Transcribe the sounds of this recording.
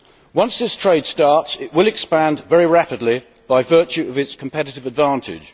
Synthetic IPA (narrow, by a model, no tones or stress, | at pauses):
wʌ̃nsðɪstʰɹ̥eɪd̥stɑˑtsɪʔwɪlɪkspæ̃ndvɛɹiɹæpɪdˡli | b̥aɪvɜˑt͡ʃʉʔəvɪtskʰə̃m̩pʰɛɾɪtɪvədvɑ̃ˑntʰɪ̰d̥ʒ̥